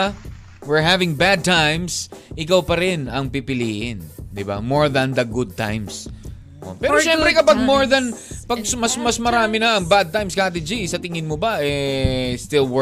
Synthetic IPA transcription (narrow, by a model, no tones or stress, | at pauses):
wɪɹɦavɪ̃ŋbad̪̚t̪ãjmsʔɪkawpɐɾɪnɐŋpɪpɪliːʔɪnd̪ɪba̰moɹðɐ̃nd̪ɐɡʊd̪̚t̪ã̰jms | ʔo̰pɛːɾoʃɛ̃mpɾɛkɐpaɡ̚moɹðɐnpɐɡ̚smɐsmɐsmɐɾaːmɪnɐɐŋbad̪̚t̪ãjmskaat̪ɪd͡ʒisɐt̪ɪŋɪnmobɐʔɛst̪ɪlw